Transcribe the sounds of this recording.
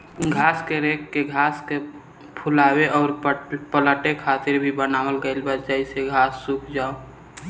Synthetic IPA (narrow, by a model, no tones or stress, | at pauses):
ɡʱaːskeɾeːkːeɡʱaːske | pʰʊlaːweʔɔːɾpələʈekʰaːt̪ɪɾbʱibənaːwəlɡəɪlbad̪d͡ʒaiseɡʱaːsːuːkʰd͡ʒaːo